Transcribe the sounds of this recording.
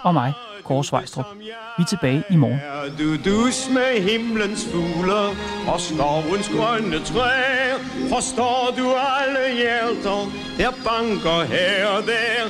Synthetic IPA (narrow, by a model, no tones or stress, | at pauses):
ɒ̽mɑ̈ɪ | kʰɒːsʋɑ̈ɪsd̥ʁɔb̥ | ʋit͡sʰe̝b̥ɛːɪʔimɒːndudusmeɦemlənsfuːləɒsd̥ɒʊənsɡ̥ʁœnət͡sʰʁɛ | fɒsd̥ɔːduæləjæd̥ɐ | d̥æɐb̥ɑ̈ŋɡ̥ɐɦædæɐ